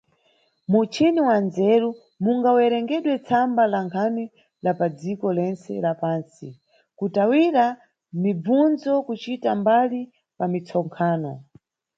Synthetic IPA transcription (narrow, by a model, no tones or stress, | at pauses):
mut͡ʃʰiniwand͡zɛɾu | muŋɡawɛɾɛŋɡɛɗwɛt͡sʰambalaŋkʰani | lapad͡zikɔlɛnt͡sɛ̰lapaːnsi | kutawiɾa | mib͡vund͡zɔkut͡ʃitambali | pamit͡sʰɔŋkʰaːnɔ